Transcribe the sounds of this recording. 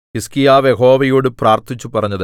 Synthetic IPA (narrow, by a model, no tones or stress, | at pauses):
iskijaːʋjeɦo̞ːʋɐjuːɽɨpraːrt̪ʰit͡ɕːupɐrɐɲːɐðɨ